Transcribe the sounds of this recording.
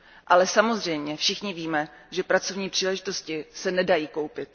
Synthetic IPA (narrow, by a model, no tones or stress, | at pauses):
ʔalɛsamo̞zr̝ɛjmɲɛfʃɪxɲɪviːmɛ | ʒɛpɾat͡so̞vɲiːpr̥iːlɛʒɪt̪o̞scɪsɛnɛdajiːko̞wpɪt̪̚